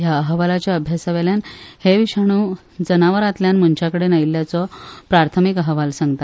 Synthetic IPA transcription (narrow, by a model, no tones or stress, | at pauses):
jaəɦʋalat͡ɕjaəbʱjasaʋeljanheʋiɕaɳ̃uː | d͡zənaʋəɾat̪ljanm̤əɳt͡ɕakəɽenailːjat͡sɔpɾaɾt̪ʰəmikəɦəʋalsãŋɡ̚t̪at̪